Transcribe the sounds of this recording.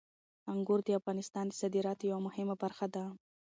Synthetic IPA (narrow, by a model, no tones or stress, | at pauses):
aŋɡʊɾd̪əafɣɑnɪst̪ɑnd̪əsad̪iɾɑt̪jawamʊhɪmabaɾxad̪a